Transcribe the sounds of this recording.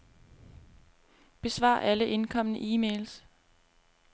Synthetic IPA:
b̥e̝sʋɑ̰̈ʔæləʔe̝nkʰɒ̽mnəʔiːmḛːls

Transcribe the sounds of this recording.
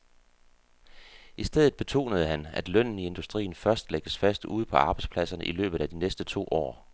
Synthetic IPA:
ʔisd̥eðˠð̩ˠb̥e̝t͡sʰo̝̰ːnəð̞̩ˠɦænæd̥lœn̰n̩ie̝nd̥usd̥ʁḭːn̩fɶɐsd̥leɡ̥əsfæsd̥uð̞̰ˠpʰɒ̽ɑ̈ːb̥ɑ̈ɪdspʰlæsɐnəʔilø̰ːb̥ð̞̩ˠæd̥inesd̥ət͡sʰo̝̰ːʔɒ̰ː

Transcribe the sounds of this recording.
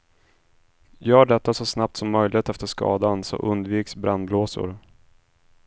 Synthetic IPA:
jœːɖɛt̪ːasɔsnap̚t̪sɔmːœjlɪɡt̪ɛft̪əʂkɑ̰ːd̪ansɔ̰ʔɵnd̪viːksbɾanbloːsʊ̰ɾ

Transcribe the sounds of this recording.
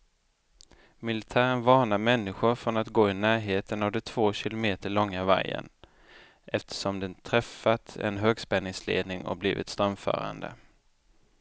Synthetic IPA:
mɪlɪt̪ʰæːɾənvɑːɳamɛnːɪɧʊɾfɾɔnat̪ɡoːɪnæːɾɦeːt̪ʰənavd̪ɛt̪ʰv̥oːɕɪlʊmeːt̪əɭɔŋːava̰jə̰n | ʔɛft̪ʰə̥ʂɔmd̪ɛnt̪ʰɾɛfːat̪ɛ̰nɦøːɡspɛnːɪŋslḛːd̪nɪŋɔ̰blḭːvɪ̰t̪st̪ɾœmfœ̰ːɾa̰nd̪ə̰

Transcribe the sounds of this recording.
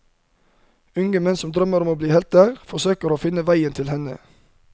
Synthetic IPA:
ʉŋəmɛnsɔmd̪ɾœməɾɔmoːbliːhɛlt̪əʁfɔsøːkəɾoːfɪnəʋæɪənt̪ʰɪlhɛnə̰

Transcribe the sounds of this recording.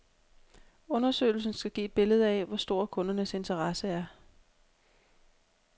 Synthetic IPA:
ɔ̽nɐsø̰ːɪl̩sn̩sɡ̥æɡ̥ḭːd̥̚b̥e̝ləð̞ˠɛʋɒsd̥o̝ɐ̰kʰɔ̽nɐnəse̝nt͡sʰɐʁɑ̈səæɐ

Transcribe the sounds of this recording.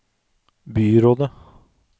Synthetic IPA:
byːɾoːd̪ə

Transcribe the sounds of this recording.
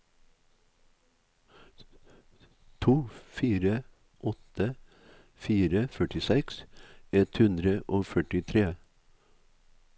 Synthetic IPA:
t̪ʰuːfiːɾə | ʔɔt̪ə | fiːɾəfœʈɪsɛksɛt̪hʉnd̪ɾəʔoːfœʈɪt̪ʰɾeː

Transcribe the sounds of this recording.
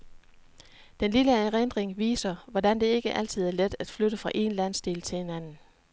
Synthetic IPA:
d̥enliləʁend̥ʁeŋʋḭːsɐʋɒd̥ænd̥e̝e̝ɡ̥əʔæl̰t͡sʰið̞̩̰ˠæɐled̥æd̥fløɾ̥əfʁɑ̈ʔe̝nlæn̰sd̥e̝̰ːlt͡sʰe̝lhe̝nænn̩

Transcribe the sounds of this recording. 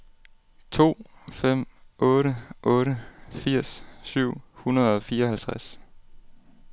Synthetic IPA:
t͡sʰo̝̰ːfem̰ʔɔ̽ːɾəʔɔːɾəfiɐ̰sːyʊ̰hunɐð̞̩ˠɒ̽fiːɐɒhælt͡sʰʁas

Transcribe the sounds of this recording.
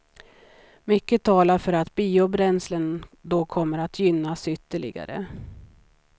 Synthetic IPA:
mʏkːət̪ʰɑːlaɾfœɾat̪biːʊbɾɛnslənd̪ɔkʰɔmːəɾat̪ʰjʏnːasʏt̪ːəɭɪ̰ɡa̰ɾə̰

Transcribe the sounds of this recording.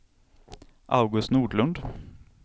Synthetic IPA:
ʔɑ̰ʉɡʉst̪nuːɖɭʉnd̪

